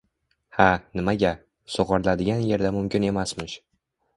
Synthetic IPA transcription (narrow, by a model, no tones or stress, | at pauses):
hanɪmaɡʲa | soʁɑɾlad̪ɪɡʲanje̞ɾd̪amʊmkʲɪne̞masmɪʃ